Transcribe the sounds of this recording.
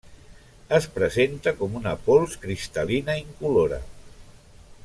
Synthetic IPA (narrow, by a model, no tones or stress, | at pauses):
əspɾəzent̪əkɔmunəpolˠskɾist̪əlinaiŋkuloɾə̰